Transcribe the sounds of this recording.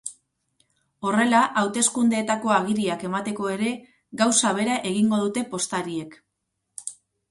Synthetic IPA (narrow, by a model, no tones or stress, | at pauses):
o̞re̞laʔawt̪e̞skund̪e̞ːt̪ako̞aɣ̞iɾiake̞mat̪e̞ko̞e̞ɾe̞ | ɡawsaβ̞e̞ɾaʔe̞ɣ̞iŋɡo̞ðut̪e̞po̞st̪aɾie̞k